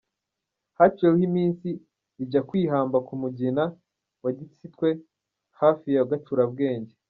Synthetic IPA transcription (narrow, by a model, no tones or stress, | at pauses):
hat͡ʃuewehimiːnsiː | ɟakwiːɦaːmbakumuɟina | waɟit͡sitwe̞ | haːfijaɡat͡ʃuɾabɡe̞ːɲɟe